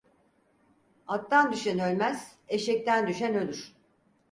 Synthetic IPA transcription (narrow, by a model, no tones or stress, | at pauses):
at̪ːand̪yʃænø̞lʲmæz̥e̞ʃɛc̚t̪ænd̪yʃænø̞lʲyɾ̥